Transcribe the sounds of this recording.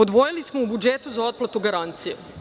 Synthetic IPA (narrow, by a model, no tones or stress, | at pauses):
od̪ʋo̞jilismoubud͡ʒet̪uzao̞t̪̚plˠat̪uɡaɾant̪sije